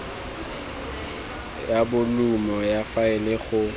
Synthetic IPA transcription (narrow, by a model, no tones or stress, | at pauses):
jabʊlumɔjafaɪlɪɣʊ